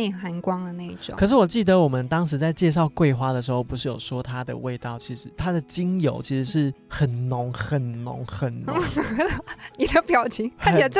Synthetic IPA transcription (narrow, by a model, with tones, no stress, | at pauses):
e˥˩xa˧˥nkwɑ˥ŋd̪ə˨na˥˩i˥˩ʈ͡ʂʊ̰˨˦kʰɤ˨˩ʂ̬ɻ̩˥˩wɔ˨˩t͡ɕi˥˩d̪ə˩˨wɔ˨˩mə˦nt̪ɑ˥ŋʂ̬ɻ̩˧˥t͡sa˥˧ɪt͡ɕjɛ˥˧ʂ̬ɑ˥˧ʊkwe˥˩ɪxwa˥d̪ə˨ʂɻ̩˧˥xo˥˧ʊpu˧˦ʂ̬ɻ̩˥˩jo˨˩ʊʂwɔ˥t̪ʰa˥d̪ə̰˨we˥˧ɪt̪ɑ˥˩ʊt͡ɕʰi˧˥ʂɻ̩˧˥t̪ʰa˦˥d̪ə˨t͡ɕi˥ŋjo̰˧˥ʊt͡ɕʰi˧˥ʂɻ̩˧˦ʂɻ̩˥˩xə˨˩nnʊ˧˦ŋxə˨˩nnʊ̰˧˥ŋxə˨˩nn̰˧˦ | ni˨˩d̪ə˦pjɑ˨˩ʊt͡ɕʰi˧˥ŋka˥˩˥t͡ɕi˩la˨˧˩